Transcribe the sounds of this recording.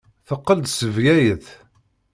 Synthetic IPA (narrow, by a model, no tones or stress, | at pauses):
θəqːəld̪səvjæjəθ